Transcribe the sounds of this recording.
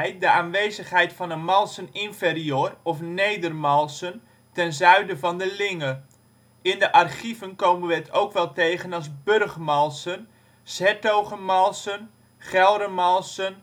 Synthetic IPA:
jt̚dəaːnʋejzəχɦɛjtfɑnənmɑlˠsənɪnferiøːrɔfnejdərmɑlˠsən | tɛnzœɥdəvɑndəlɪŋə | ɪndəʔɑrχivənkowmənʋəətʰowkʋɛlˠtejχənɑlˠzbørχmɑlˠsən | sɛtowχəmɑlˠsən | χɛlˠdəmɑlˠsən

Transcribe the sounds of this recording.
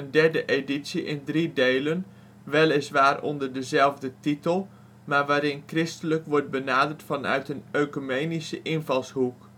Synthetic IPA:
əndɛɹdəʔeditsiʔɪndridejlən | ʋɛlˠɪsʋaːrɔ̰ndəɹdəzɛlˠvdətitəlˠ | maːɹʋaːɾɪnkrɪstələkʋɔɹd̚bənaːdəɹtfɑnœ̰ɥtənøɥkomejnisəʔɪnvɑlˠsɦuk

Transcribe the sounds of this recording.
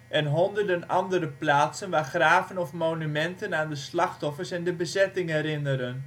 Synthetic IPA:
ʔɛnɦɔndərdənɑndəɾəplaːtsənʋaːχraːvənɔfmonymɛntənaːndəslɑxtɔfərsɛndəbəzɛtɪŋɦɛɾɪnəɾən

